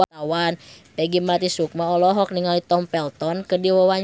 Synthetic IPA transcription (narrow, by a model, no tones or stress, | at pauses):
aawanpɛɡimat̪isuk̚maɔlɔɦɔk̚niŋalit̪ɔmpɛlt̪ɔnkədiwɔwaɲ